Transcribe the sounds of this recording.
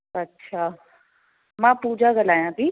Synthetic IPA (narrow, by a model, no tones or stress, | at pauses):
ɐtːɕʰaː | mãpuːd͡ʑaɡəlaːjãt̪iː